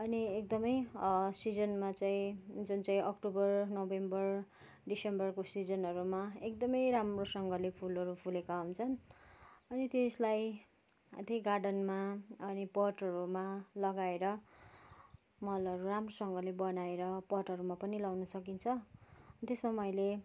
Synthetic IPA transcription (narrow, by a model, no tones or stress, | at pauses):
ʌniek̚d̪ʌmʌjʌsid͡zʌnmat͡saĩd͡zunt͡saĩʌkʈubʌrnobembʌr | ɖisembʌrkosid͡zʌnɦʌɾumaek̚d̪ʌmʌjɾamrosʌŋɡʌlepʰulʌɾupʰulekaant͡sʰʌn | ʌnit̪eslaj | t̪eɡarɖʌnmaʌnipʌʈʌɾumalʌɡaeɾʌ | mʌlʌɾuramrosʌŋɡʌlebʌnaeɾʌpʌrʈʌɾumapʌnilawnʌsʌkint͡sʰʌt̪esmamʌjle